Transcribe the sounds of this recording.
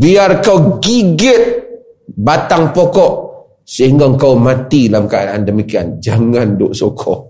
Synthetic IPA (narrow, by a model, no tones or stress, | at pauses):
biarkawɡiɡɪt̪̚ | bat̪aŋpɔkɔʔ | səɦiŋɡaəŋkawmat̪ilamkaadaʔandəmikiand͡ʒaŋandʊʔsɔkʰɔ̰ʔ